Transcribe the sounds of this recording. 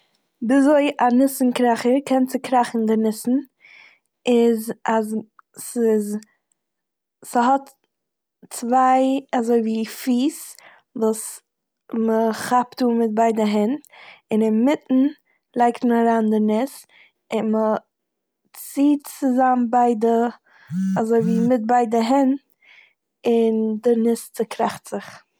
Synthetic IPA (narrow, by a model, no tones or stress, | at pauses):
bɪzoɪʔanɪsn̩kɾaχəɾkʰɛnt͡sɪkɾaχn̩dɪnɪsn̩ | ɪzazsɪz | sɦɔt | t͡svaɪazoɪviːfiːs | vuːs | məχaptuːmɪt̚baɪdəɦɛntɪnɪnmɪtn̩ | lˠaɪktməaɾaːndɪɾnɪs | ɪnmə | t͡siːtt͡sɪzambaɪdə | azoɪviːmɪt̚baɪdəɦɛnt | ɪndɪɾnɪst͡sɪkʰɾaχtz̥ɪχ